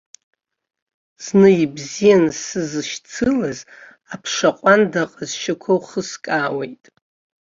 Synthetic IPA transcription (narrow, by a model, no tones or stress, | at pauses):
z̥nɨibzijansɨzɨʃt͡sʰɨlaz | apʰʂaqʷʼandaqʼazʃɪkʷʰowχəskʼaːwejtʼ